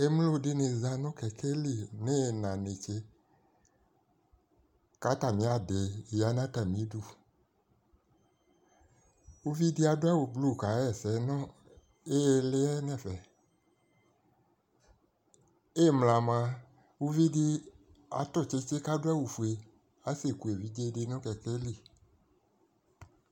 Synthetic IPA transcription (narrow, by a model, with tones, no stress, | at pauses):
e˦m˦lo˦de˦ne˨za˨nɔ̃˦kɛ˨kʰe˦li˦˨ne˦˨nã˨ne˨t͡ʃe˦ | ka˨˦t̪a˨mĩ˨˦a˨de˨ja˨˦nã˦t̪a˨mĩ˨˦du˦˨ | wu˦vi˦di˦a˨do˦ɛ˦wo˨blu˦˨ka˨˦ɛ˨sɛ˨˦nɔ̃˦ | e˦˨le˦ɛ˦nɛ̃˨fɛ˨ | e˦˨mla˨mã˧ | wu˦vi˦di˦a̰˨t̪ɔ˦˨t͡ʃe˦t͡ʃe˦ka˦do˦ɛ˦wu˨fu˨e˨ | a˨˦se˨ku˨e˨vi˦d͡ʒe˦de˧nɔ̃˦kɛ˨kɛ˦li˦˨